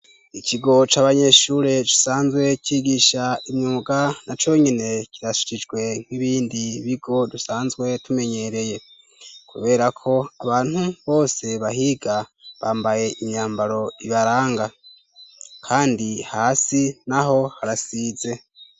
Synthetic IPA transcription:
icʰiɡo̞t͡ʃaːβaɲe̞ʃuːɾe̞t͡ʃi̥saːnzɡwe̞ciɡiʃaimɲuːɡanat͡ʃo̞ɲine̞cʰiɾaʃi̥t͡ʃid͡ʒɡwe̞ŋ̥wiβiːndiβiɡo̞dusaːnzɡwe̞tume̞ɲe̞ɾe̞je̞ | kʰuβe̞ːɾakʰo̞aβaːn̥huβo̞ːse̞βaɦiɡaβaːmbaje̞ʔiɲɲaːmbaɾo̞iβaɾaːŋɡa | kʰaːndihaːsinaɦo̞haɾasiːze̞

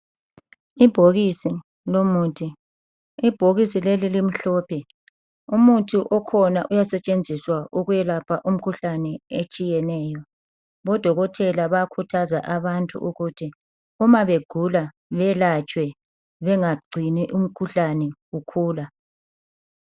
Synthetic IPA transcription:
ib̥ʱoɣisi | lomuːtʰi | ib̥ʱoɣisilelilim̩ɬɔːpʰɛ | umutʰuʔɔkʰɔnaʔujasɛt͡ʃʼend͡zʱiswauɣujɛlapʰaʔum̩kʰuɬanɛet͡ʃʼijɛnɛːjɔ | βɔd̥ʱɔɣɔtʰɛlaβakʰutʰazaʔaβantʼṵʔuɣutʰi | umaβeɡ̥ʱula | βɛlat͡ʃʼwɛ | βɛŋaɡ͡ǀʱiniʔum̩kʰuɬanɛukʰuːla

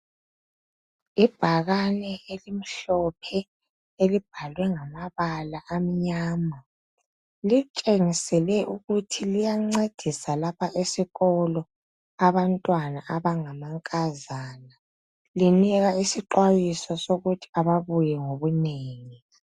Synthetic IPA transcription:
ib̥ʱaɣanɛelim̩ɬɔpʰɛ | elib̥ʱalwɛŋamaβalaʔam̩ɲaːma | lit͡ʃʼeŋisɛlɛʔuɣutʰilijaŋ͡ǀed̥ʱisalapʰaʔesiɣɔlɔ | aβantʼwanaʔaβaŋamaŋkʼazaːna | liniɣaisiǃwajisɔsoɣutʰi̥aβaβujɛŋoβuneːŋi

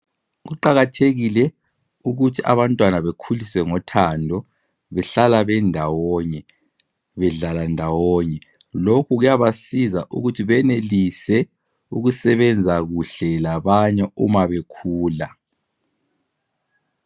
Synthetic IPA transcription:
ɣuǃaɣatʰeɣilɛ | uɣutʰiʔa̰βantʼwanaβekʰulisɛŋɔtʰandʱɔ | βɛɬalaβɛndʱawɔɲɛ | βɛɮalandʱawɔɲɛ | lokʰuɣujaβasizaʔṵɣutʰiβɛnelisɛ | uɣusɛβɛnd͡zʱaɣuɬɛlaβaɲɛumaβekʰuːla

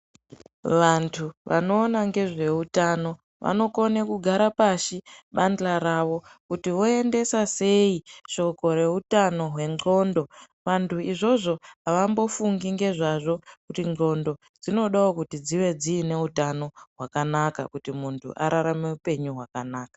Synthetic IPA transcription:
ʋantʰuʋa̰no̞ːnaŋɡe̞ʐe̞utano̞ | ʋa̰no̞konekuɡʱaɾapaʃiɓanlaɾaʋo̞kutiʋo̞e̞nde̞sase̞iʃo̞ko̞ɾe̞utano̞ɦwe̞ŋo̞ːndo̞ | ʋantʰuiʐo̞ʐo̞ɦaʋambo̞fuŋɡiŋɡe̞ʐaʐo̞kutiŋ͡ǃo̞ndo̞ | d͡zino̞ɗaokutid͡ziʋe̞d͡ziːne̞utano̞ɦwakanakakutimuntʰṵʔa̰ɾaɾame̞upe̞ɲuɦwakanaːkḁ

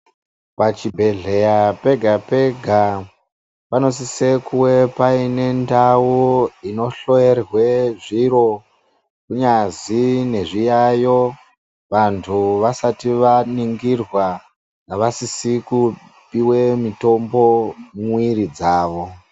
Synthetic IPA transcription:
pat͡ʃibʱe̞ɮe̞jape̞ɡʱape̞ɡʱa | pano̞s̬isekuwe̞paine̞ndawuino̞ɬo̞erwe̞ʐiɾo̞ | kuɲazine̞ʐijajo̞ | ʋantʰuʋasatiʋaniŋɡirwa | aʋasisiku | piwe̞mito̞mbo̞mwiɾid͡zaːʋo̞

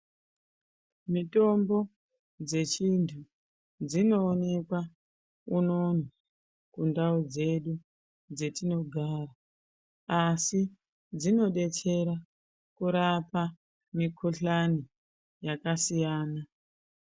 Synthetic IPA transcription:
mito̞mbo̞ | d͡ze̞t͡ʃintʰu | d͡zino̞ːne̞kwa | uno̞na | kundaud͡ze̞ɗu | d͡ze̞tino̞ɡʱaːra | asi | d͡zino̞ɗe̞t͡ʃe̞ɾa | kuɾapa | mikʰoɬani | jakasijaːna

